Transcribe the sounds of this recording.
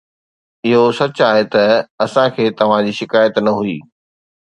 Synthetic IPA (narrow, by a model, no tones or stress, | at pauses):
ɪɦosɐt͡ɕaːɦet̪ɐɐsãkʰeːt̪ɐʋ̤ãd͡ʑiːʃɪkaːjət̪nɐɦuiː